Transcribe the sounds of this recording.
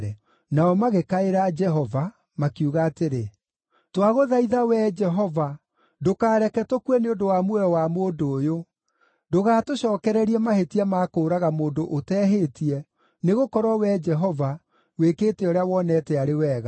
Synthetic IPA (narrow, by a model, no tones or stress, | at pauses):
ɛ | naɔmaɣekaeɾad͡ʒɛɦɔva | makjuɣaːteɾe | twaɣoðaiðawɛd͡ʒɛɦɔva | dokaːɾɛkɛtokwɛneodowamwɛɔwamoːndoːjo | doɣaːtoɕɔːkɛɾɛɾiɛmahetiɛmaːkoːɾaɣamoːndoʔotɛːɦetiɛ | neɣokɔɾwɔwɛd͡ʒɛɦɔva | wekeːtɛoɾeawɔnɛːtɛaɾewɛːɣa